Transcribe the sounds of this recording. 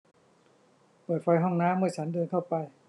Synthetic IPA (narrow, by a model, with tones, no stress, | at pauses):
pɤː˨˩t̪̚fʰɔ˧jɦɔ˥˩ŋnaː˦˥˨mːɯ˥˩ɐt͡ɕʰa˦˥ndɤː˧nt̪ʰa˥˩wpa˧j